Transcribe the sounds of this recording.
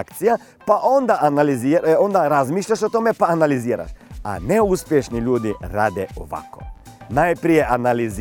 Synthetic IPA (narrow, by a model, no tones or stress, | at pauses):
kt̪sija | paʔond̪aʔanaliziond̪aɾazmiːʃʎaʃot̪oːmɛpaːnaliziːɾa̰ʃa̰nɛuspjɛʃniʎʲuːd̪iɾaːd̪ɛɔ̰ʋa̰ko̰ | najpɾiːjɛʔanaliz